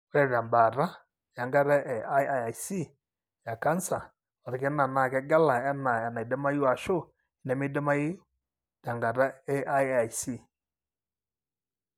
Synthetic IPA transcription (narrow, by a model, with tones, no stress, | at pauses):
wɛ˦˨ɾa˨mba˨ɾa˦ | ja˨ŋɡa˦ɾɛ˦ʔɛ˨ʔa˦ja˨a˨jsi˦˨ | ja˨ka˦nsa˨ | ɔ˨ɾɛ˨kɛ˦na˨na˨kɛ˦ɡa˦la˨ɛ˦na˨ja˨na˨i˨dɛ˦ma˦ji˦a˨ʃo˦ | i˨nɛ˨mi˦dɛ˦ma˦i˦ | da˨ŋɡa˨ɾa˦ɛ˦ʔa˦ja˨jsi˦˨